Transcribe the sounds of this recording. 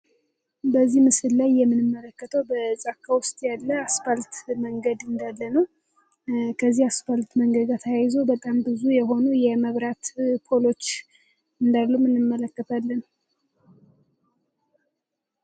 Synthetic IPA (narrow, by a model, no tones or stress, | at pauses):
bəzːihmɨsɨlːajːɛmːɨnɨmːələkːət̪ʰəwbəzʼakʰːawʊst̪ʼjalːəasfalt̪məŋɡəd̪ɨnd̪alːənəw | kʰəzːihasfalt̪məŋɡəɡat̪ʰəjajɪzobət̪ʼambɨzujɛɦo̞nujɛməβɾat̪kʰolo̞t͡ʃː | ɨnd̪alːumɨnɨmːələkːət̪ʰalːən